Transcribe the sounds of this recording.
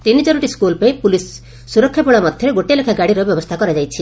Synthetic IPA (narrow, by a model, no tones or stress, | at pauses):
t̪inid͡ʒɔɾɔʈiskulpejpulisː | uɾɔkʰːjapɔɭɔmɔd̪ʱjɔɾeɡoʈelekʰaɡaɽiɾɔbjɔbɔst̪ʰakɔɾad͡ʒajt͡ʃʰi